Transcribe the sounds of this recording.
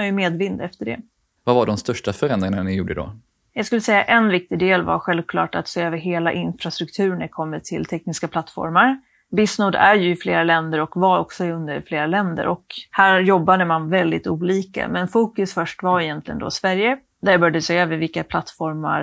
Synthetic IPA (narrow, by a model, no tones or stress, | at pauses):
ajɵmeːd̪vɪnd̪ɛft̪əɖɛ̰ | vavaɖɔmst̪œʂʈafœɾɛnd̪ɾɪŋananɪjuːɖəd̪ɔ̰ | jɑːɡskɵlːəsɛjːaʔɛnvɪk̚t̪ɪd̪eːlva̰ɾɧɛlvkʰlɑ̰ːʈat̪seːøːvəɾɦeːla̰ʔɪnfɾast̪ɾɵkt̪ʰʉ̟ːɾɳæɾkʰɔmːət̪ʰɪlt̪ʰɛk̚nɪskapʰlat̪ːfɔ̰ɾmaɾ | bɪsnoːd̪æɾjɵɪfleːɾalɛnd̪əɾɔkvaɾɔksɔɪɵnd̪əfleːɾalɛnd̪ə̰ɾʔɔkhæːɾjɔbːad̪əmanvɛld̪ɪt̪uːliːka̰mɛnfuːkɵsfœʂʈvaɾɛjɛnt̪ʰlɪɡənd̪ɔ̰svæɾjə | d̪æɾjabœɾjad̪əseːøːvəɾvɪlkːapʰlat̪ːfɔɾma̰ɾ